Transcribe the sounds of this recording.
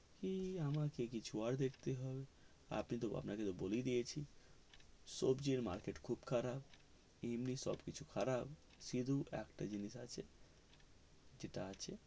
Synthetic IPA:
kiamakekit͡ʃʰuaɾd̪ekʰt̪eɦɔbe | a̰pnit̪oa̰pnaket̪obolid̪ijet͡ʃʰi | sɔbd͡ʒeɾma̰ɾkeʈkʰubkʰaɾab | imnisɔ̰bkit͡ʃʰukʰaɾab | sid̪ʱuɛ̰kʈad͡ʒinisa̰t͡ʃʰe | d͡ʒeʈaat͡ʃʰe

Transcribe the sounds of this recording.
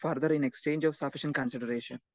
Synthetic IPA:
fɐɾd̪əɾĩnekst͡ʃẽːɲd͡ʒɔːʋsafiʃɐ̃nkɐ̃nsiɖəɾeːʃɐ̃n

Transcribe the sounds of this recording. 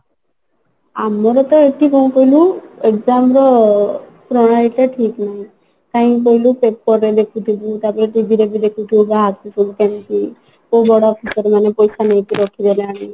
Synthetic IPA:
amɔɾɔt̪ɔeʈikɔũkɔɦiluekd͡ʒamɾɔ | pɾɔɽ̃aɾit̪eʈʰiknaɦĩ | t̪aɦĩkɔɦilupepːɔɾed̪ekʰut̪ʰibut̪apɔɾeʈibiɾebid̪ekʰut̪ʰibbaɦat̪ut̪ʰubukanki | obɔɽaɔpʰisɔɾmanepɔjsanejk̪iɾɔkʰid̪elẽami

